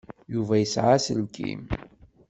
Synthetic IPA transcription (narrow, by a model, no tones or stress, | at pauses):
juvæjəsʕasəlkʰḭm